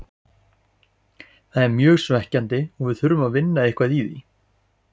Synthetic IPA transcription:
θaðɛɾmjœːɣsvɛhcant̪ɪɔɣvɪðθʏɾʏmaðvɪnːaɪhkvaðiðḭ

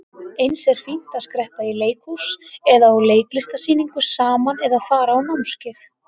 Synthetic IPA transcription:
ejnsɛɾ̥fin̥t̪aðskɾɛhpaileːjkusɛðaawleːjklɪst̪asiːniŋkʏsaːmanɛðaðfaːɾaːwnawmscɪθ

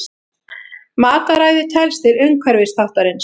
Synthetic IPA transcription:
maːt̪aɾaːjðɪt̪ʰɛlst̪ɪɾʏŋkʰvɛɾvɪst̪ʰaht̪aɾɪns

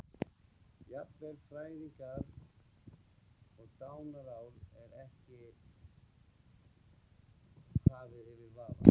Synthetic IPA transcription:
japlɛɾfɾaːjðiŋkaɾ | ɔɣt̪aːwnaɾaːwlɛɾɛhcɪ | haːvɪðɪvɪɾvaːva̰

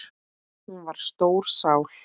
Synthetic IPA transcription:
hunvaɾ̥st̪oːwɾ̥saːwl

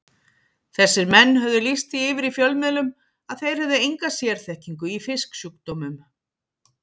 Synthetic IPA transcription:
θɛsːɪɾmɛnːhœvðʏlist̪iɪvɪɾifjœlmɪlʏm | aðθejɾ̥hɛvðɪejŋkasjɛɾ̥θɛhciŋkʏifɪsksuːk̚t̪omʏm

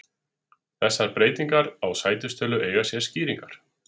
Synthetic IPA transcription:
θɛsːaɾpɾeːjt̪iŋkaɾawsaːjt̪ʏst̪œːlʏʔeːjɣasjɛ̥sciːɾiŋkaɾ̥

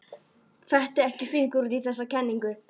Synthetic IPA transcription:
fɛht̪ɪɛhcɪfɪnkuɾt̪iθɛs̬akʰɛnːiŋkʏ

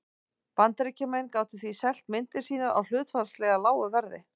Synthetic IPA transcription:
pant̪aɾɪcʰɛmejnkaːwt̪ɪθvisɛl̥t̪mɪnt̪ɪ̥siːnaɾʔa̰wl̥ʏːt̪faslɛːɣalaːwʏvɛɾðɪ̰

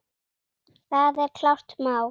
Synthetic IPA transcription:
θaðɛɾkʰlawr̥t̪maːw

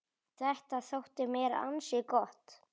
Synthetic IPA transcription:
θɛht̪aθowht̪ɪmɛːɾa̰nsɪkɔht̪

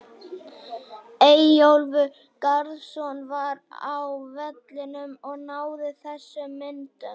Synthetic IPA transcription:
ejowlvʏ | kaɾðsɔnvaɾawvɛt̪lɪnʏmɔɣnaːwðɪθɛsːʏmɪnt̪ʏ

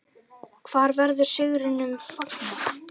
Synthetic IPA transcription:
kʰvaːɾvɛɾðʏɾ̥sʏɣɾɪnʏmfɔt̪nɪ

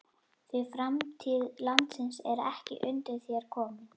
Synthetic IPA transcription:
θvɪfɾamt̪ʰiːðlant̪sɪnsɛɾɛ̰hcɪ̰ʔʏnt̪ɪɾθjɛɾ̥kʰɔːmɪ

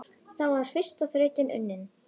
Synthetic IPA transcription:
θawvaɾ̥fɪr̥st̪aθɾœːɥc̪ɪnʔʏ̰nːɪn

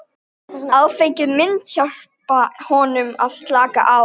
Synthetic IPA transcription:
aðfejcɪðmɪnt̪çar̥pahɔnʏmað̥st̪laːka̰ʔa

